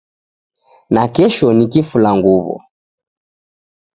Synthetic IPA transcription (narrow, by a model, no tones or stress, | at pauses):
nakɛʃɔnikifulaŋɡuβɔ̰